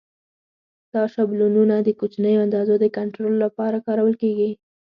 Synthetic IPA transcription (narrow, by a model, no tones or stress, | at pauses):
t̪ɑʃablununad̪əkot͡ʃnəjoand̪ɑzod̪əkaɳʈɾolːapɑɾakɑɾawəlkeɡi